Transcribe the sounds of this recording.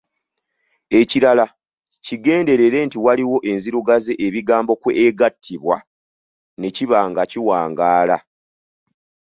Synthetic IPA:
e̞ciɾala | ciɡe̞ːnde̞ɾe̞ɾe̞ntiwaliwo̞ʔe̞nziɾuɡaze̞ʔeβiɡaːmbo̞kweeɡatʰːiβwa | ne̞ciβaːŋɡaciwaːŋɡaːla

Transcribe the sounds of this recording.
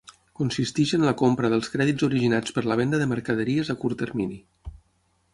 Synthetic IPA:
kunsist̪iʒənləkompɾəðəlˠskɾɛðizuɾiʒinat͡spəɾləβ̞ɛnd̪əðəməɾkəðəɾiəzəkuɾt̪ərmini

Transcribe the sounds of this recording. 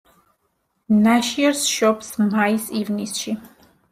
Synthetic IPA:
naʃiɛɾsʃɔpsmaisivnisʃi

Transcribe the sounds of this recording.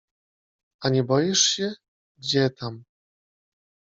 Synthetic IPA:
aɲɛbɔjiʂɕɛ | ɡd͡ʑɛt̪ʰam

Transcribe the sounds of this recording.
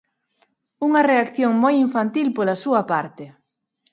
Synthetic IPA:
uŋɐreakθjoŋmojiɱfant̪ilpolɐsuɐpaɾt̪ɪ

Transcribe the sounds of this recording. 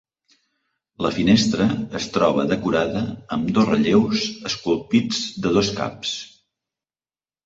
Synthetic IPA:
ləfinest̪ɾəːst̪ɾɔβəðəkuɾaðəːmd̪ozrəʎewzəskulˠpid͡zd̪əðoska̰ps

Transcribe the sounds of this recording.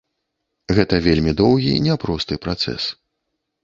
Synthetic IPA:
ɣɛt̪ɐvʲelʲmʲid̪ɔwɣʲḭnʲɛpɾɔst̪ɨpɾat̪sɛ̰s

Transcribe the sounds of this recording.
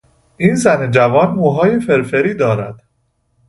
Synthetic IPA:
ʔiːnzæned͡ʒævɒːnmuːɦɒːje̞fe̞ɾfeɾiːd̪ɒːɾæ̰d̪̥

